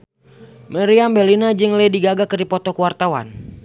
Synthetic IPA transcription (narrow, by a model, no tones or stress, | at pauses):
mɛɾiambɛlinad͡ʒɨŋlədiɡaɡakɨrdipɔt̪ɔkuwart̪awa̰n